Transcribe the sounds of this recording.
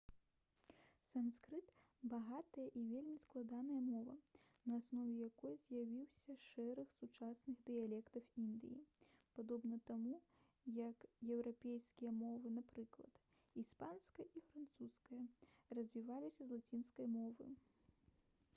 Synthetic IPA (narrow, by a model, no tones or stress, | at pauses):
sanskɾɨt̪ | baɣat̪ɐjɐʔivʲelʲmʲisklˠad̪anɐjɐmɔvɐ | nɐːsnɔvʲɛjakɔjzʲjavʲiwsʲɐʂɛɾɐxsut͡ʂasnɨɣd̪ɨjalʲɛkt̪ɐwind̪ɨjḭpad̪ɔbnɐt̪amu | jɐkjɛwɾapʲejskʲijɐmɔvɨnapɾɨklˠɐ̰t̪ | ispanskɐjʔifɾant̪suskɐjɐrɐzʲvʲivalʲisʲɐzlˠat͡sʲinskɐjmɔvɨ̰